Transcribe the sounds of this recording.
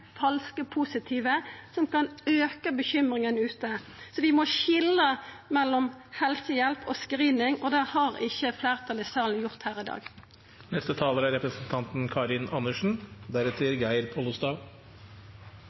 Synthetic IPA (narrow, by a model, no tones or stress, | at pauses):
fɑlskəpʰuːsɪt̪ʰiːʋəsɔmkɑnøːkəbəçʏmʁɪŋənʉːt̪əsɔʋɪmɔçɪləmɛlːɔmhɛlsəjɛlpʰɔ̰skʁiːnɪŋɔd̪æhɑʁɪçːəflæːʁt̪ʰɑlɪːst̪ɑːln̩jʊʁt̪hæːʁɪd̪ɑ̰ːɡ | nɛst̪ət̪ʰɑːləɾæɾɛpɾəsn̩t̪ʰɑnt̪n̩kʰɑːɾɪnɑnəʂɳ̩d̪æɾɛt̪sɪɾɡæɪəɾpʰɔlʊst̪ɑːʋ